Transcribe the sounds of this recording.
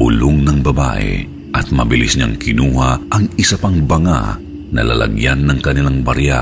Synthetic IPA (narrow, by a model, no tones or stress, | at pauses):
bʊ̰lʊŋnɐŋbɐba̰ʔɛ̰ | ʔɐt̪̚mɐbɪlɪsɲaŋkɪnuːhɐʔɐŋɪsɐpaŋbɐŋa̰ | nɐ̰lɐ̰lʔɐ̰ɡjanːɐŋkɐnɪlaŋbɐɾja